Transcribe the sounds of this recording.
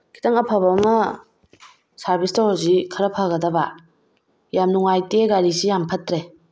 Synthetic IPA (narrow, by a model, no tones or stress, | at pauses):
kʰi̥taŋɐpʰabamɐ | saɾbistahozikʰɐɾɐpʰaɣɐdɐba | jamnuŋajteɡaɾisijampʰɐtɾe